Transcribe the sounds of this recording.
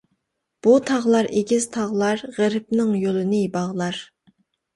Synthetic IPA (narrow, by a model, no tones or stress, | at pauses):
b̥ut̪ʰɑʁlˠɑɾʔeɡʲiz̥t̪ʰɑʁlˠɑɾʁəɾɪp̚nɪŋjolˠɨnɨbɑʁlˠɑɾ